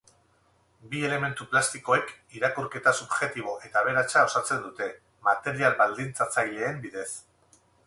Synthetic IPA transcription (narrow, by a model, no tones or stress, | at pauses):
bie̞le̞me̞nt̪uplast̪iko̞e̞k | iɾakuɾke̞t̪asubʝe̞t̪iβ̞o̞ʔe̞t̪aβe̞ɾat͡ʃao̞sat͡se̞nd̪ut̪e̞ | mat̪e̞ɾialbald̪int͡sat͡sajle̞ːmbiðe̞s